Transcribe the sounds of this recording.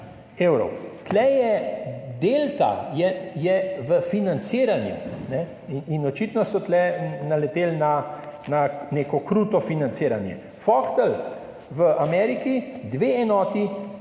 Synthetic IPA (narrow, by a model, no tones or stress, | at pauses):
ewɾɔ̰wt̪lɛjɛd̪eːlt̪a̰jɛjɛʋəfinant̪siːɾanjṵnɛ | ininɔt͡ʃit̪nɔsɔt̪lɛnalɛt̪eːlnananeːkɔkɾuːt̪ɔfinant̪seːɾanjɛ̰ | fɔkt̪əl | ʋəʔamɛɾikid̪ʋeɛnɔːt̪i